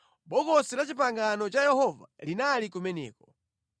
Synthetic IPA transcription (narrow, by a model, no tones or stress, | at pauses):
ɓɔkɔsilat͡ʃip̬aŋɡanɔt͡ʃajɛhɔva̰linalikumɛnɛ̰ːkɔ